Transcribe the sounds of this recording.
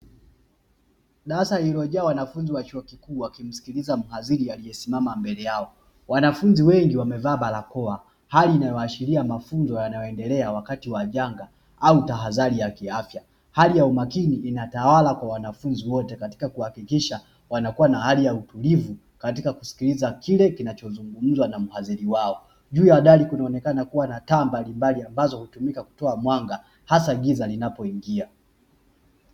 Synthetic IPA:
ɗasaiɾɔʄɛawanafunziwat͡ʃuɔkikuːwakim̩si̥kilizam̩haziɾialijɛsimamambɛlɛjaɔ | wanafunziwɛŋɡiwamɛvaːɓalakɔa | haliːnajɔat͡ʃiɾiamafunzɔjanajɔɛndɛlɛawakatiwaʄaŋɡa | autaɦazaɾijakiafja | halijaumakiniːnatawalakwawanafunziwɔtɛkati̥kakuhakikiʃa | wanakuwanahalijautulivu | katikaku̥si̥kilizakilɛkinat͡ʃɔzuŋɡum̩zwanam̩haziɾiwaɔ | ʄuːjawɗalikunaɔnɛkanakuwanataːmbalimbaliambazɔhutumikaku̥tɔamwaŋɡa | hasaɡizalinapɔiŋɡia

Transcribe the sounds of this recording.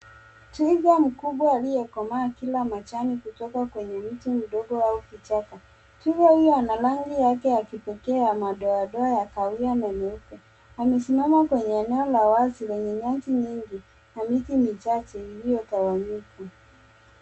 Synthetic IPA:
twiɡam̩kuɓwaːlijɛkɔmaːkilamat͡ʃanikutɔkakwɛɲɛmitim̩ɗɔɡɔaukit͡ʃaka | twiɡahujɔanalaŋɡijakɛakipɛkɛamaɗɔaɗɔajakawianɛmɛukɛ | amɛsimamakwɛɲɛːnɛɔlawazilɛɲɛɲat͡ʃiɲiŋɡi | namitimit͡ʃat͡ʃɛilijɔtawaɲika

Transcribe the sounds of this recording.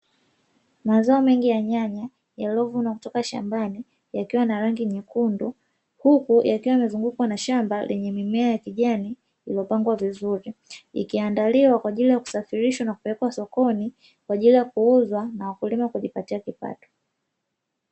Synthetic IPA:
mazaɔmɛŋɡijaɲaɲa | jalɔvunakutɔkaʃa̰mbani | jakiwanaɾaŋɡiɲikundu | hukujʔakiwaimɛzuŋɡukwanaʃambalʔɛɲɛmimɛajakiʄani | iliɔpaŋɡwavizuɾiḭkiandaliwakwaʄilijaku̥safiɾiʃwanaku̥pɛlɛkwasɔkɔni | kwaʄilijakuuzwanawakulimakuʄipatiakipa̰tɔ̥

